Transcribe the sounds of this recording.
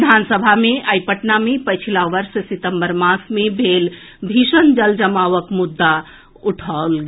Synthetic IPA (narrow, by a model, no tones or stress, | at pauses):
d̪ʱansəbʱameəjpəʈnamepət͡ʃʰilaʋəɾssit̪əmbəɾmãsmebʱel | bʱisənd͡ʒəld͡ʒəmaʋəkmud̪ːa | uʈʰalɡ